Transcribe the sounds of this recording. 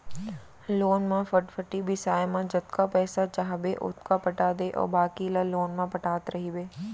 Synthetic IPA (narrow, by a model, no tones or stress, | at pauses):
loːnmãfəʈfʰəʈibʱɪsaːemãd͡ʒɐt̪kapɛːsat͡ʃaɦbeʔʊ̰t̪ʰkapɐʈaːd̪eʔɔ̰ːɾbaːkilaloːnmãpɐʈaːt̪ɾɐɦibeː